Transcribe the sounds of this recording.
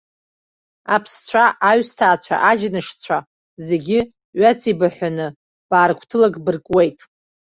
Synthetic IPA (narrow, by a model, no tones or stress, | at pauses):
apʰst͡ɕʷʰaʔaɥstʰaːt͡ɕʷʰa̰ʔad͡ʒnɨʂt͡sʷʰa | ze̞ɡʲɪ | ɥat͡sʰibaħʷanɨ | b̥aːrkʷʰtʰɨlakʼbɨrkʼwe̞jtʼ